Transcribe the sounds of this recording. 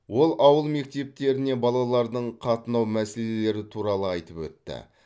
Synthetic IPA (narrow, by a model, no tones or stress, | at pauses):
wo̞lˠʔɑwəlˠme̞k̚t̪e̞p̚t̪e̞ɾɪne̞bɑlˠɑlˠɑɾd̪əɴqʰɑt̪ənɑwmæse̞lele̞ɾɪt̪ʰuɾɑlˠəɑjt̪əpwɵ̰t̪ːɪ̰